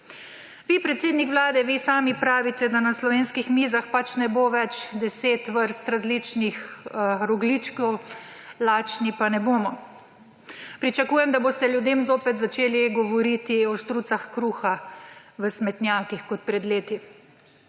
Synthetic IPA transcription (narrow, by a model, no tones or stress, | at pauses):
ʋipɾɛt̪seːd̪nikʋlaːd̪ɛʋisaːmipɾaːʋit̪ɛd̪anaslɔʋeːnskixmizaxpat͡ʃnɛboːʋɛt͡ʃd̪ɛseːt̪ʋəɾst̪ɾazlit͡ʃnixɾɔɡliːt͡ʃkɔw | laːt͡ʃnipanɛboːmɔ | pɾit͡ʃakuːjɛmd̪aboːst̪ɛljud̪eːmzoːpɛt̪zat͡ʃeːliɡɔʋɔɾit̪iɔʃt̪ɾut̪saxkɾuːxaʋəsmɛt̪njaːkixkɔt̪̚pɾɛd̪leːt̪i